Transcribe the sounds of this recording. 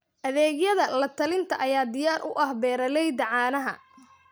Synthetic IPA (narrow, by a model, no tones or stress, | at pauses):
ʔɐðɛːɡjɐðɐlɐt̪ʰɐlɪnt̪ʰɐʔɐjaːd̪ɪjaːɾʔʊ̰ʔɐhbɛːɾɐlɛjd̪ɐʕɑːnɐɦɐ̰